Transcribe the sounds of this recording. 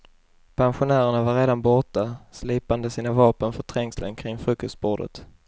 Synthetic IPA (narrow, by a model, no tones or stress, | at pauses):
pʰanɧʊnæːɾəɳavaɾeːd̪anbɔʈasliːpand̪əsiːnavɑːpənfœt̪ʰɾɛŋslə̰nkʰɾɪŋːfɾɵkːɔst̪̚boːɖə̰t̪